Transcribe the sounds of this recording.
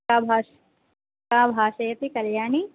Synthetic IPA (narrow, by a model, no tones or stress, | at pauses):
aːbʱaːʃ | aːbʱaːʃɐjɐt̪ikɐljaːɳi